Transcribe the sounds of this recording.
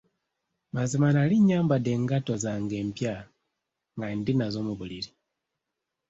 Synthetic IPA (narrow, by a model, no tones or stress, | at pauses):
mazimanaliɲːaːmbade̞ŋɡatozaŋɡe̞ːmpja | ŋɡandinazoːmuβuliɾi